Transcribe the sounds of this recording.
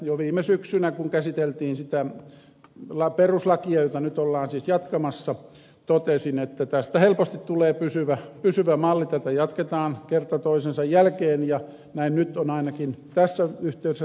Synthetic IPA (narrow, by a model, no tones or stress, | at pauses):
joʋiːmːˑesyksynækuŋkæsit̪elt̪iːnsit̪æ | lɑperuslɑkiɑjot̪ɑnyt̪olːɑːnsiːsjɑt̪kɑmɑsːɑ | t̪ot̪esinet̪ːæt̪æst̪æhelpost̪it̪tuleːpysyʋæpysyʋæmɑlːit̪æt̪æjɑt̪ket̪ɑːnkert̪ɑt̪oisensɑjjælkeːnjɑ | næinnyt̪onɑinɑkint̪æsːæyht̪eyɾesː